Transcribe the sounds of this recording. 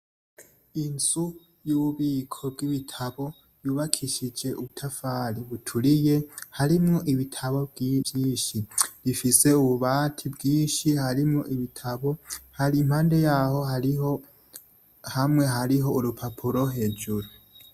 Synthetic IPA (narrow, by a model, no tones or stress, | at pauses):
inz̥u | juβuβiːkʰob̚ɡiβitʰaβo̞ | juːβakʰiʃid͡ʒe̞ʔuβutʰafaːɾiβutʰuɾije̞haɾimŋo̞ʔiβitʰaβo̞bɡjiːʃiɾifise̞uβuβaːtʰibɡiːnʃihaɾimŋoʔiβitʰaβo̞haɾim̥haːnde̞jaːho̞ɦa | hamŋe̞ɦaɾiɦo̞uɾupʰapʰuɾo̞ɦe̞ːd͡ʒuɾu